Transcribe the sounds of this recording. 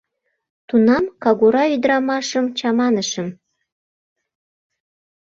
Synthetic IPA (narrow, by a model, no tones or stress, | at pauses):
t̪unɑmkɑɣuɾɑyd̪ɾɑmɑʃəmt͡ɕɑmɑnəʃəm